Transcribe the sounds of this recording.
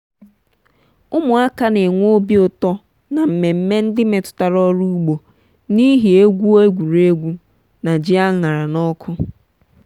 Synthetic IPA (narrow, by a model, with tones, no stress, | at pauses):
ʊ˦mʊ˨a˦ka˦ne˨ŋʷo˦bi˦ʊ˨tɔ˦ | na˨m̩˨me˨m̩˦me˦n̩˦dɪ˦me˨tʊ̥˦ta˨ɾɔ˦ɾu˦ɡ͡bo˨ | ni˦ɦi˨e˦ɡʷu˦o˦e˦ɡʷu˨ɾe˦ɡʷu˦ | na˨d͡ʒi˦a˦ŋa˨ɾa˨nɔ˦kʰʊ˦